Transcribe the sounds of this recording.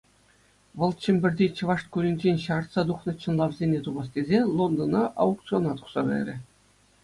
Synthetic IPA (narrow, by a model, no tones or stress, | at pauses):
ʋɤ̆lˠt͡ɕɘ̆mʲbʲɘ̆rʲd̪ʲit͡ɕɤ̆ʋɑʂt̪̚kuɾʲinʲd͡ʑenʲɕɑrt̪sɑd̪uχnɤ̆t͡ɕɤ̆nlˠɑʋzʲenʲet̪ubɑst̪ʲezʲelˠond̪ŏnɑʔɑ̰uk̚t̪t͡sɨonɑt̪u̥χsɑɡʲɑ̰ɾʲɘ̆